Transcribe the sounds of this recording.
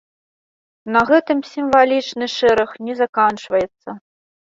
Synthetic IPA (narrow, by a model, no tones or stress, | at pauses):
nɐɣɛt̪ɨmsʲimvalʲit͡ʂnɨʂɛɾɐxnʲɛzakant͡ʂvɐjɛt̪sːɐ